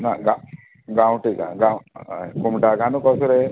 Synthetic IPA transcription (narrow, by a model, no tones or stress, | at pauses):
naɡa | ɡaũʈika̰ɡakumʈaɡanukɔsuɾe